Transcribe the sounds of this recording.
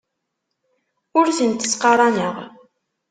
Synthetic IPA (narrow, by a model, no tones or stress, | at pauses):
ʊɾθənt̪ə̥sqɑɾˤɑnəʁ